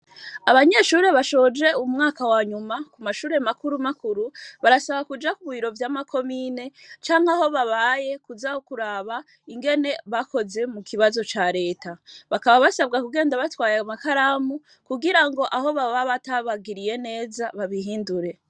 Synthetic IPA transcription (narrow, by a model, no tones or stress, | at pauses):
aβaɲe̞ʃuːɾe̞βaʃo̞d͡ʒe̞umŋaːkawaːɲumakumaʃuːɾe̞makuɾumakuɾuβaɾasaβakud͡ʒakuβuβiɾo̞vjaːmakʰo̞miːne̞t͡ʃaːŋhaho̞βaβaje̞kuzahokuɾaːβa | iŋɡe̞ne̞βakʰo̞ze̞mukʰiβazo̞t͡ʃaɾe̞ːtaβakaβaβasaβɡakuɡe̞ːndaβatwaːjamakaɾaːmu | kuɡiɾaŋɡo̞ʔaɦo̞βaβaβataβaɡiɾije̞ne̞ːzaβaβiɦiːnduɾe̞